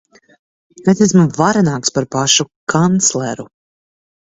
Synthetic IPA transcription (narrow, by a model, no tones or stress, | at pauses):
nɛt̪ɛs̬muvaɾanaːkspaɾpaʃukʰant̪slˠɛɾu